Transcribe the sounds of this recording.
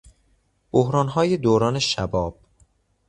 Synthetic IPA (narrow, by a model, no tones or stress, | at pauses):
b̥ohɾɒːnɦɒːjed̪oːɾɒːne̞ʃæ̰bɒːb̥̚